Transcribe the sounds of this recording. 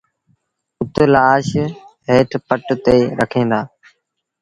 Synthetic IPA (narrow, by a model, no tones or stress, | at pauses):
ʊt̪ːlaːʃɦeːʈʰpəʈt̪eːɾəkʰẽːnd̪aː